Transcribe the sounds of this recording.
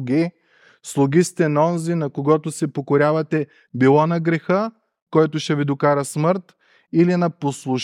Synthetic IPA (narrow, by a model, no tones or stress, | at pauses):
ɡi | slˠʊɡist̪ɛnɔnzinɐkoɡɔt̪ʊsɛpokoɾʲavɐt̪ɛ | bilˠɔnɐɡɾɛxə | kɔjt̪ʊʃɛvid̪okaɾɐsməɾt̪ | ilinɐposlˠʊʃ